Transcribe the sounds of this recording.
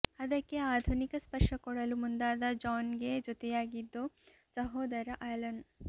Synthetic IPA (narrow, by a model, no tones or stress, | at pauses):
ɐd̪ɐkːeaːd̪ʱunikɐspɐɾʂɐkɔɽɐlumund̪aːd̪ɐd͡ʒaːnɡed͡ʒot̪ejaːɡid̪ːo | sɐɦoːd̪ɐɾɐʔɐlɐn